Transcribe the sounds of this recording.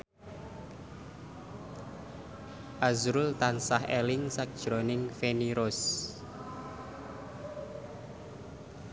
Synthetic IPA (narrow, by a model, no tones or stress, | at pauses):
ʔazɾʊlt̪ansahelɪŋsak̚d̥ʒ̥ɾonɪŋfeniɾos